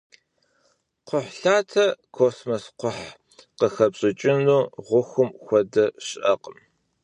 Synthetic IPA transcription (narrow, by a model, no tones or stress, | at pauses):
qʰʷʊħɬaːtʰɐkʰoːsmɐsqʷʊħ | qəxɐpɕʼɪt͡ʃʼɪnuːʁʷʊxʷʊmxʷɐdɐɕɪʔɐqəm